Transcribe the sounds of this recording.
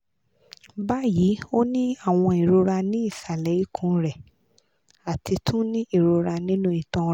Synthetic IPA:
ba˦˨ji˨˦o˦nĩ˦a˦˨w̃ɔ̃˧i˨ɾo˧ɾa˧nĩ˦i˦˨sa˨lɛ˨˦i˦kʰũ˦˧ɾɛ˨ | a˨tʰi˧tʰũ˦nĩ˦i˦˨ɾo˧ɾa˧nĩ˦nũ˦i˨tɔ̃˧˦

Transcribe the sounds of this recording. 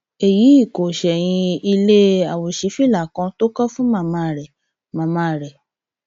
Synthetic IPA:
e˨ji˨˦i˦˨ko˨ʃɛ˨j̃ĩ˧i˧le˦a˨wo˨ʃi˨˦fi˦˨la˨kã˧to˦kɔ˦fũ˦mã˦˨mã˧˨ɾɛ˨ | mã˨mã˧˨ɾɛ˨

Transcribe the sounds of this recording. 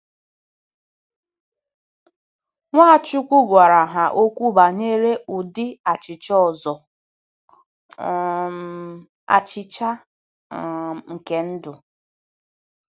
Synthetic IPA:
ŋʷaː˦˨t͡ʃu˦kʷu˦ɡʷa˨ɾa˨ɦa˨ʔo˦kʷu˦ba˨ne˦ɾe˦ʊ˨dɪ˦a˨t͡ʃɪ˨t͡ʃɔ˦ɔ˨zɔ˨˦ | a̰˨t͡ʃɪ˦t͡ʃa˦ | ŋ̩˨ke˦n̩˦dʊ˨

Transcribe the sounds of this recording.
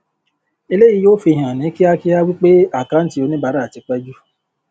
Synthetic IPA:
e˧le˦ji˨˧joː˦fi˧ɦã˨nĩ˨˦ki˦a˦ki˦a˦wi˦k͡pe˦a˦˨kã˨˦n̩˦ti˦˧o˧nĩ˦ba˨˦ɾa˦˨ti˨˦k͡pɛ˦d͡ʒu˦

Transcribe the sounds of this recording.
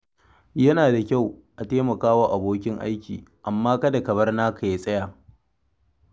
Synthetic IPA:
jɐ˦naː˨da˨kʲa˦˨wʔa˨teː˦mɐ˨kaː˦wa˦ʔa˨boː˦kʲɪ˦ŋʔa̰˦jkʲḭː˨ʔa˨mːaː˦kɐ˦da˨kɐ˨bɐ˦rnaː˦kʰa˨je˦sʼɐ˦jaː˨

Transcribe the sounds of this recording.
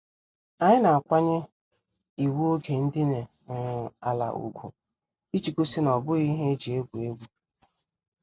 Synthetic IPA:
a˨ɲɪ˦na˨a˨kʷa˦ɲɪ˦ | i˨wu˦o˦ɡe˨n̩˦dɪ˦ne˨ | ʊ˨ʊ˨a˨la̰˨ṵ˨ɡʷṵ˨ | i˦t͡ʃi˨ku˦sɪ˦nɔ˨bʊ˦i˦ɦe˦d͡ʒi˨e˦ɡʷu˨e˦ɡʷu˦

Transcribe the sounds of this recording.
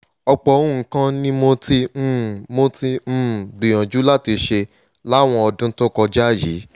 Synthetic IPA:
ɔ˧k͡pɔ˨˦ũ˦˨ŋ̩˨kã˦nĩ˦mo˧tĩ˧˦mo˧tĩ˧˦˨ɡ͡bĩ˨j̃ã˨d͡ʒu˨˦la˦ti˧ʃe˧ | la˦˨w̃ɔ̃˧ɔ˧dũ˦to˦kɔ˧d͡ʒa˦˨jḭ˨˦

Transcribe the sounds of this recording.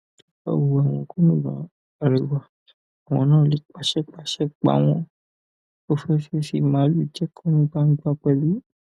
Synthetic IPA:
a̰˨wu˨a˨w̃ɔ̃˧˨ko˦nũ˦ba̰˨ | a˨ɾi˨wa˨ | a˨w̃ɔ̃˨˦nãː˦˨li˨k͡pa˨ʃɛ˦k͡pa˨ʃɛ˦k͡pa̰˨w̃ɔ̃˦ | o˦fɛ˦fe˦si˦˨mã˨˦lu˨d͡ʒɛ˦kʰɔ̃˦nũ˦ɡ͡ba˦ŋ̩˦ɡ͡ba˦k͡pɛ˧li˦

